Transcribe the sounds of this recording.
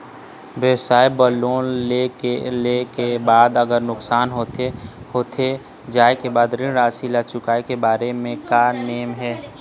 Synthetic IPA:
ʋjəwsaːebəloːnlekelekebaːd̪əɡəɾnʊksaːnɦoːt̪ehoːt̪ʰe | d͡ʒaːekebaːd̪ɾɪnɾaːsilaːt͡ʃʊkaːekebaːɾemẽkaneːmɦɛː

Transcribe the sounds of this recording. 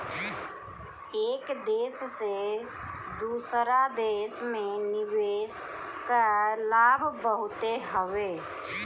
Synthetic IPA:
eːkd̪esse | d̪usɾad̪esmeniwes | kalabʱbəɦʊt̪eɦəʋe

